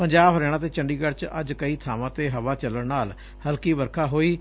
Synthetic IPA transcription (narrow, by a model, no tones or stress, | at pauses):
pəɲd͡ʒaːbɦəɾɛːɽ̃ãːt̪eːt͡ʃəɳɖiːkəɾt͡ʃə̰d͡ʒkəiːt̪ʰaːʋãːt̪eːɦəʋaːt͡ʃələɳnaːl | həlkiːbəɾkʰaːɦoːiː